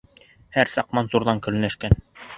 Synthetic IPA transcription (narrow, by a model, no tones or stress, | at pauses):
hæɾsɑq̚mɑnzuɾðɑŋkɵ̆ɾɘ̆næʃkæn